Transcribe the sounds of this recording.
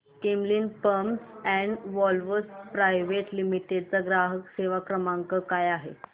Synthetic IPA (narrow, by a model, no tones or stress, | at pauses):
kemliːnpəmɛ̃ɳɖʋɔlʋəspɾajʋeʈlimiʈeɖt͡saɡɾaɦəkseʋakɾəmãŋkəkajaɦḛ